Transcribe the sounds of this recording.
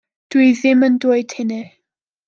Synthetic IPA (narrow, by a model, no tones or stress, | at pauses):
d̥wiðɪməndʊɨd̥hɪnɛ